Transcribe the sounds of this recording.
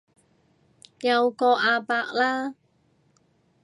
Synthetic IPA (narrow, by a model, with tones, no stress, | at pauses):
ja˧wkɔ˧ʔaː˧pa˧ʔ̚laː˦˥